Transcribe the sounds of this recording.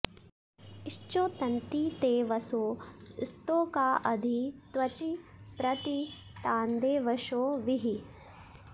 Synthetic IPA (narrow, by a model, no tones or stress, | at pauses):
iʃt͡ʃoːt̪ɐnt̪it̪eːʋɐsoːɪst̪oːkaːʔɐd̪ʱit̪ʋɐt͡ʃipɾɐt̪i | t̪aːnd̪eːʋɐʃoːʋiɦi